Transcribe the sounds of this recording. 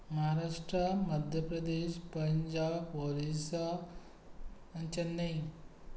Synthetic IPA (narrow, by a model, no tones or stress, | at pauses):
mɐɦaɾaːʂʈɾɐmɐd̪ʱjɐpɾɐd̪eːʃpɐɲd͡ʒaːboɾisɐ | ɐɲt͡ʃɐnːɐj